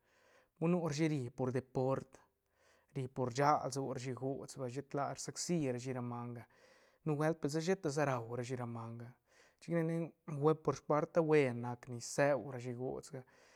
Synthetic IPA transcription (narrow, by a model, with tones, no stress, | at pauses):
bu˦nu˦ɾa˧ʃi˦ɾi˧po˨ɾd̪e˨po˦ɾt̪ | ɾi˧po˨ɾd͡ʒa˦lzu˧ɾa˧ʃi˧ɡo˨t͡sba˧ʃe˦t̪la˧ɾsa˦ksi˦ɾa˧ʃi˧ɾa˧ma˧ŋɡa˧ | nu˦we˦lt̪̚pe˨ls̬a˦ʃe˦t̪a˧z̬a˦ɾa˨wɾa˧ʃ̬i˧ɾa˧ma˧ŋɡa˧ | t͡ʃi˦kne˧ne˦wʷe˦po˧ɾʃpa˦ɾt̪a˦we˧nːa˧kni˨se˦wɾa˧ʃi˧ɡo̰˨t͡sɡa˧